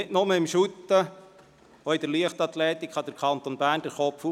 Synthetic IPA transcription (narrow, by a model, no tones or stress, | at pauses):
ɪtnʊməɪmʃut̪ːə | oɪd̥̪əɾliəχt̪ɑt̪lɛːt̪ikχɑd̥əɾkʰɑnt̪onbæːɾnd̥əɾχɔpfu